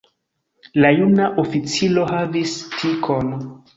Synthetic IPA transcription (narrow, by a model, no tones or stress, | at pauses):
lajunaʔofit͡silo̞havistʰikʰon